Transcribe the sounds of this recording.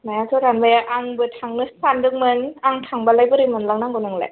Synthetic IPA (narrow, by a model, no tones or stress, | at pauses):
naasʰɯɾanbajaʔaŋbɯt̪ʰaŋnɯssandɯŋ̚mɯnaŋt̪ʰaŋbalajbɯɾimɯnlaŋnaŋɡɔnɯŋlḛ